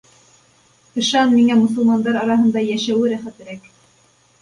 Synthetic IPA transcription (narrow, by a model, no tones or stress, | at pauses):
qɤ̆ʃɑnmiŋæmŏsɤ̆lˠmɑnd̪ɑɾɑɾɑɦɤ̆nd̪ɑjæʃæwɘɾæχæt̪ɘ̆ɾæk